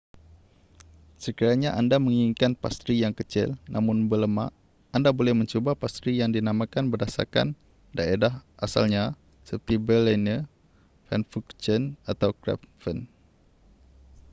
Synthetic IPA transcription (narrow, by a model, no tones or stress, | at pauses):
səkiɾaɲaʔandamə̃ŋiŋkanpa̰st̪ɾijaŋkət͡ʃɪ̰lnʔamʊ̃nbələmã̰ʔ | andabolɛhmə̃ɲt͡ʃobapast̪ɾijaŋdinãmãkanbərdasa̰rka̰n | daedaɦʔasa̰lɲa | səpət̪ibəlɛnə | fɛnfukt͡ʃənat̪awkɾɛ̰pfən